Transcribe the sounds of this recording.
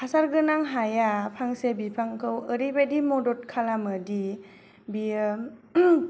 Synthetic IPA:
pʰasaɾɡɯnaŋɦajapʰaŋsebipʰaŋkʰɯwəɾibadimɔdɔt̚kʰalamɯdi | bi

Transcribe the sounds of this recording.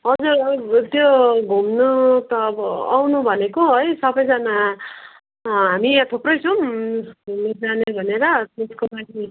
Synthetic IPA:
ɦʌd͡zurt̪joɡʱumnut̪ʌːbʌa̰wnubʱʌnekoɦʌjsʌbʌjd͡zʌna | ɦamiat̪ʰoprʌjt͡sʰʌm | med͡zanebʱʌneɾʌt̪eskolaɡi

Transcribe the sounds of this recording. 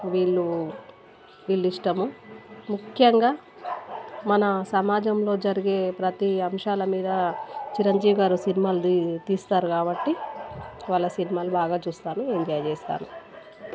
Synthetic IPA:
ʋiːɭːu | ʋiːɭːiʂʈɐmumukʰjɐŋɡaː | mɐnɐsɐmaːd͡ʒɐmlo̞ːd͡ʒɐɾiɡe̞ːpɾɐt̪iɐmʂaːlɐmiːd̪ɐt͡ʃiɾɐɲd͡ʒiːʋiɡaːɾusinimaːlut̪iːst̪aːɾukaːbɐʈːi | ʋaːɭːɐsinimaːlubaːɡaːt͡ʃuːst̪aːnueːɲd͡ʒɐjɐt͡ʃeːst̪a̰ːnu

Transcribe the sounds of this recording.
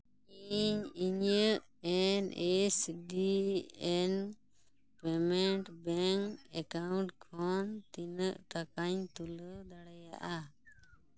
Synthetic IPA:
iɲiɲəʔ | ɛnɛsɖiɛn | pɛmɛɳʈbɛŋkɛkawɳʈkʰɔnt̪inəʔt̪akaɲt̪uləd̪aɽaja̰ʔa

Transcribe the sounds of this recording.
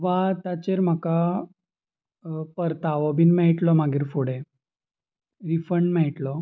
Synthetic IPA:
ʋat̪at͡ɕeɾm̤aka | pəɾt̪aʋɔbiːnmaɦiʈlɔmaɡiːɾfoɽe | ɾifəɳɖmaɦiʈlɔ

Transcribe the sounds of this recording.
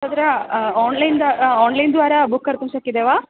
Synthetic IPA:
ɐd̪ɾɐaːnlɐjnd̪aaːnlɐjnd̪ʋaːɾɐbukːɐɾt̪ɐmsakːid̪eʋaː

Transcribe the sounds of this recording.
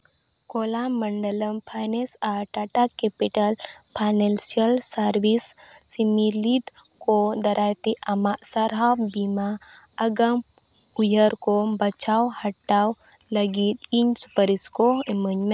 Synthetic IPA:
kolaməɳɖəlɐmpʰajnesaʈaʈakepiʈəlpʰajnelsijəlsəɾʋisː | imilid̪ | kod̪ɐɾʔajt̪iʔɐmasɐɾabbima | ɐɡəm | ujəɾkobɐt͡ʃawhɐʈːaw | lɐɡit̪iɲsu̥pəɾiskoməɲː

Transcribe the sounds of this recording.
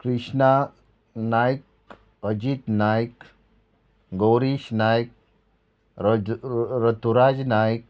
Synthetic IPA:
kɾiʂna | najk̚ | əd͡ʒit̪najk | ɡowɾiʃnajk̚ | ɾət̪uɾad͡ʒnajk̚

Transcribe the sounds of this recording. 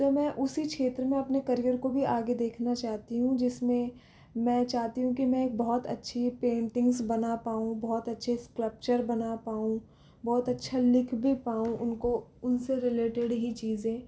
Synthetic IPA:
t̪omɛ̃ʔʊsikʃeːt̪ɾəmẽɐpnekɐɾijəɾkobʱiaːɡed̪eːkʰnat͡ʃaːɦt̪iɦũd͡ʒɪsmẽ | mɛ̃ːt͡ʃaːɦt̪iɦũkimɛ̃eːk̚bɔːɔt̪ɐ̰tːʃʰipẽːɳʈɪ̃ŋɡsbɐnapaːũbɔːt̪ɐtːʃʰeskləp̚t͡ʃəɾbɐnapaːũ | bɔːt̪ɐtːʃʰalɪkʰbʱipaːũʔʊnkoʊnseɾɪleːʈɪɖɦit͡ʃiːzẽː

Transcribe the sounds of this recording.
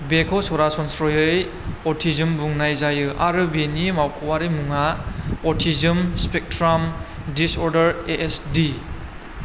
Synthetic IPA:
bekʰɔsɔɾasɔnsɾɔjɯj | ɔɾtʰizɯmbuŋnajzajɯʔaɾɯbenimawkʰɔwaɾɯjmuŋaɔtʰizɯmspek̚tɾam | disɔɾdɐɾeʔesdi

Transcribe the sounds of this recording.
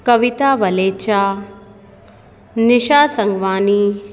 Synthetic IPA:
kɐʋit̪aːʋɐleːt͡ʃaː | nɪʃaːsɐŋɡʋaːni

